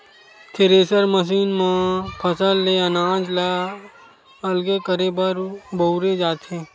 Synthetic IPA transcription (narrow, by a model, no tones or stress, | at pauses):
t̪ʰeɾeːsəɾməʃ̬iːnmãpʰɐsəlːeənaːd͡ʒla | ɐlɡekəɾebəɾboʊɾed͡ʒaːt̪ẽ